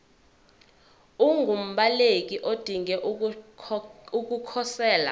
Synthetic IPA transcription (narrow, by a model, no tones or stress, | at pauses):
uŋɡʱum̩ɓalek̬iʔod̥ʱiŋɛ | uk̬ukʰɔsɛːla̰